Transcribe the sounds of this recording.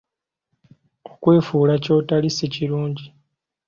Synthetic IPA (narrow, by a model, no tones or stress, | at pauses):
okwe̞ːfuːlaco̞ːtaliseciɾuːɲɟi